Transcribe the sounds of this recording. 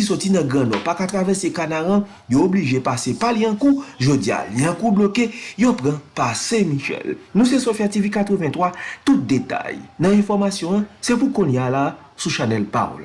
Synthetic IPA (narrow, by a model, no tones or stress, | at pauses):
kisɔtinɐ̃ɡɐ̃nɔ̃pakat̪ʁavɛsekanaʁã | joobliʒepasepaliãkuʒod͡zia̰liãkublokejopʁãpasɛ̃miʃɛ̰lnũsesofjativikat̪ʁəvɛ̃t̪wat̪ut̪̚d̪et̪a̰jnãɛ̃fɔʁmasjɔ̃ãsepukõnjala | suʃanɛlpa̰o̰l